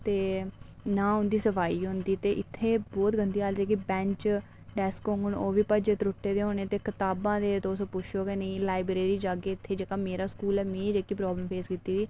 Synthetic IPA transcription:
t̪eː | nãːʊ̃nd̪iːsəpʰaːiːɦʊ̃nd̪iːt̪eːʔɪt̪ʰːeːbɔːt̪ɡənd̪iːaːld̪ɛːkɪbɛ̃ːɲt͡ʃ | ɖɛːskõŋɡəɳoːʋiːpəd͡ʒet̪ɾʊʈːeːd̪eːɦoːneːt̪eːkɪt̪aːbãːd̪eːt̪oːsopʊʃʰoːkeːnəĩːlaːɪbɾeːɾiːd͡ʒaːɡeːɪt̪ʰːeːd͡ʒəkaːmeːɾaːskuːlɛːmẽːd͡ʒeːkːiːpɾɔːbləmpʰeːskit̪iːdiː

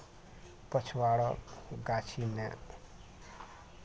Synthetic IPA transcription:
pət͡ʃʰwaɽɔkɡat͡ʃʰinɛ̰

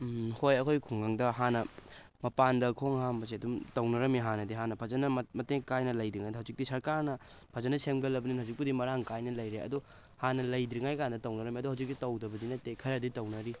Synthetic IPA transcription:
hojɐkʰojkʰuŋɡaŋdɐɦanɐ | mɐpandɐkʰoŋhambɐs̬iɐdumtɐwnɐɾɐmiɦanɐdiɦanɐpʰɐzɐnɐmɐteŋkajnɐlɐjdɾiŋajdɦawd͡ʒik̚disɐɾkaɾnɐpʰɐzɐnɐsemɡɐlɐbɐninhawd͡ʒik̚pudimɐɾaŋkajnɐlɐjɾeɐ̰dɔ | hanɐlɐjdɾiŋajkandɐtɐwnɐɾɐmiɐduɦawd͡ʒik̚ditɐwdɐbɐdinɐtekʰɐɾɐditɐwnɐɾi

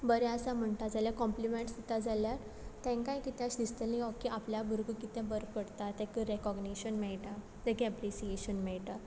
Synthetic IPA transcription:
bəɾɛəsam̤əɳt̪ad͡zaljakɔmplimẽɳʈsd̪it̪ad͡zalja | t̪ɛ̃kãjkit̪ãsd̪ist̪əlnĩɔkːiʔapljabʱəɾɡəkit̪ɛ̃bəɾkəɽt̪at̪ɛ̃kəɾɛkɔɡniɕənmɛɭʈ̪a | t̪ɛ̃keapɾisieɕənmɛɭʈ̪a

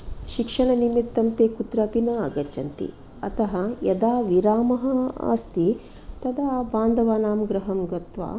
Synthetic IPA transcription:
ʃikʂɐɳɐnimit̪ːɐmt̪eːkut̪ɾaːpinɐɐɡɐt͡ʃɐnt̪ḭ | ɐt̪ɐɦɐjɐd̪aːʋiɾaːmɐɦɐa̰ːst̪i | t̪ɐd̪aːbaːnd̪ʱɐʋaːnaːmɡɾɐɦɐmɡɐt̪ʋa̰ː

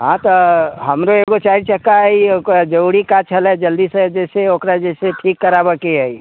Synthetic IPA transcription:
ɦãt̪ɔɦəmɾoeɡot͡ʃaɾt͡ʃəkaiokd͡ʒəuɽikat͡ʃʰəlɛd͡ʒəld̪ised͡ʒɛseokɾad͡ʒɛɪseʈʰikːəɾabəkeɦəi

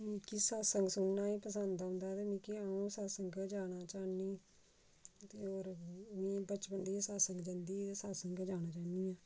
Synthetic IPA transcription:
mĩːkiːsaːsəŋɡsʊnːaːiːpəsənd̪aːɦʊ̃ːnd̪aːt̪eːmĩːkiaːũːsaːsəŋɡd͡ʒaːɽaːt͡ʃaːniː | t̪eːoːɾmĩːbət͡ʃpənd̪iːsaːsəŋɡd͡ʒənd̪iːd̪eːsaːsəŋɡd͡ʒaːnaːt͡ʃaːniːaː

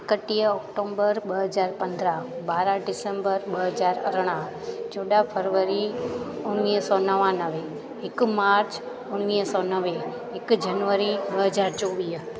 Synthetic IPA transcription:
kəʈiəɔkʈombəɾɓəɦəd͡ʒaːɾpənd̪ɾabaːɾaɖɪsẽmbəɾɓəɦəd͡ʒaːɾə̰ɾɽ̃ã | d͡ʒoɗapʰəɾʋəɾi | ʊnːisɔnəʋãnəʋeː | kmaɾt͡ʃ | ʊnnisɔnəʋe | ɪkd͡ʒənʋəɾiɓəɦəd͡ʒaɾt͡ʃoʋi

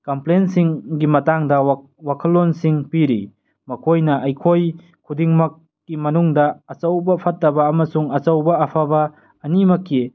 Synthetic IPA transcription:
kɐmplensiŋɡimɐtaŋdɐ | wakʰɐlːonsiŋpiɾḭ | mɐkʰojnɐʔɐjkʰoj | kʰudiŋmɐkː | imɐnuŋdɐːt͡ʃɐwbɐpʰɐtːɐbɐːmɐsuŋɐt͡ʃɐwbɐːpʰabɐː | nimɐkʰːi

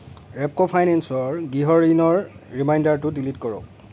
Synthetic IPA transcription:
ɹɛp̚kɔpʰajnɛnsɔɹɡiɦɔɹinɔɹɹimajndaɹtʊdilitkɔɹɔ̰k̚

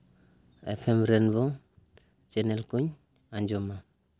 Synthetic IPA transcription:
ḛpʰemɾenbo | t͡ʃenelkuɲ | aɲd͡ʒoma

